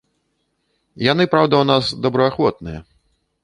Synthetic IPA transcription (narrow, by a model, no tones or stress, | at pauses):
janɨpɾawd̪ɐwnasd̪ɐbɾɐaxvɔt̪̚nɨjɐ